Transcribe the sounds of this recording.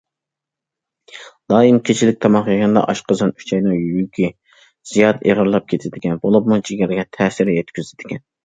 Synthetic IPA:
d̪ɑːimkʲʰet͡ʃʰilɪk̚ʲt̪ʰɑmɑχjɑɡʲɑnd̪ɑ̰ʔɑʃqəzɨny̥t͡ʃʰɛjnɨŋjyjykʲi | z̥ijɑt̪ḛʁəɾlˠɑp̚kʲʰet̪ʰɪd̪ɪkʲɛnbolˠupmut͡ʃʰiɡʲɛɾɡʲɛt̪ʰɛːsɪɾjɛt̪kʲyzɪd̪̥ɪkʲɛn

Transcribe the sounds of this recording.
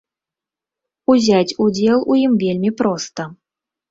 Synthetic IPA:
uzʲatʲudʲelˠujimvʲelʲmʲipɾost̪ə

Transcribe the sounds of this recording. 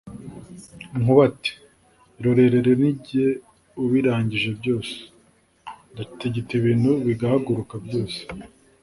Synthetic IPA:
ŋuβati̥ | ɾoɾe̞ɾe̞ɾeniɟe | uβiɾaːɲɟiʒe̞bɟo̞ːse̥ | ndafi̥teɟitiβiːn̤huβiɡahaɡuɾukabjo̞ːse̥

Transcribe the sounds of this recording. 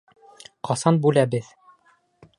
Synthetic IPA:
qɒsɑnbʉlæbɘð

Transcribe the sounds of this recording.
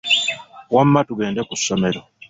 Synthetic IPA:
wamːatuɡe̞ːndekusːome̞ɾo̞

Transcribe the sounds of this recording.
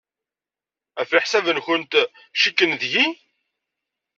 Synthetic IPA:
æfiħsævənçənt̪ | ʃikːənðʝi

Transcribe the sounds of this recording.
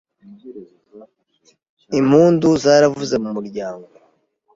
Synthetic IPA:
im̥huːnduzaːɾavuze̞mumuɾɟaːŋɡo

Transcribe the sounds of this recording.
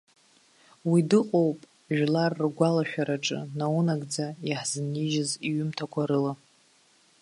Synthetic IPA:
widɨqʼowpʼ | ʒᶣlarːɡʷalaʃᶣaɾaʈ͡ʂʼɨ̰naunaɡʼd͡zajaħzɨniʒɪziɥʏmtʰakʷʰaɾɨla

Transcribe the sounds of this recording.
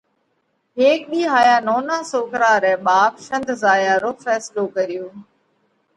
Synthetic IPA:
ɦeːk̚ɗiːɦaːjaːnoːnaːsoːkɾaːɾɛ̃ːɓaːpʃə̃nd̪ʱzaːjaːɾoːfɛːsloːkəɾɪjoː

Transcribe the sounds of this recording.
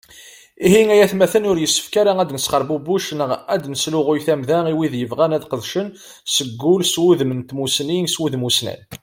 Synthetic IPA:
iɦiŋæjæθmæθənʊɾjəsːə̥fkaɾææd̪nəsχəɾˤbubuʃnəʁæd̪nəslʊʁʊjθæmðæʁiwiðjəvʁænæðqəðʃən | səɡːʊlswuðmənt̪musninswuðmusnæ̰n

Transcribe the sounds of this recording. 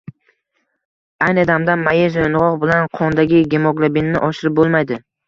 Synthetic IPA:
ajnɪd̪amd̪anmajezoɪnʁɒʁbɪlanqʰɒnd̪aɡʲɪɡʲemɒklˠabinːɪʔɒʃɪɾɪp̚bolˠmajd̪ɪ

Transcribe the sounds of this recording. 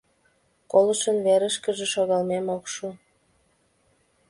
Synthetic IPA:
koləʃənβeɾə̆ʃkə̆ʒĕʃoɣɑlmemokʃu

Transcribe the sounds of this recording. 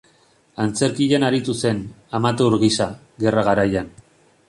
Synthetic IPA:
ant͡se̞ɾkiʎenaɾit̪use̞n | amat̪̬euɾɣisa | ɣe̞raɣaɾajan

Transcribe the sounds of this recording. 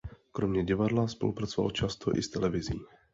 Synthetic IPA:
kɾomɲɛɟɪvadlaspo̞̰lupɾat͡sova̰lt͡ʃast̪ʰo̰ʔɪst̪ɛlɛvɪziː

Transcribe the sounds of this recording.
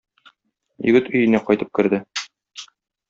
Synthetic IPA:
jɵ̰̆ɡɘt̪ɵ̆jɘ̆næqɒjt̪ɤp̚kɘ̆ɾd̪ɘ

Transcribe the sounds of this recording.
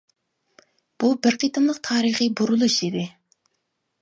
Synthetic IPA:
b̥ubɪɾqʰit̪ʰɨmlˠəqt̪ʰɑːɾiχɨbuɾulˠuʃid̪ɪ

